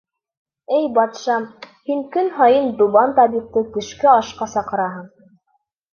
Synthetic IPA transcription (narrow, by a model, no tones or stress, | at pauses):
ɘjbɑt̪ʃɑm | hiŋkɵnɦɑjɤnd̪uβɑnt̪ɑβiq̚t̪ɤkɘ̆ʃkɘɑʃqɑsɑqɤ̆ɾɑɦɤɴ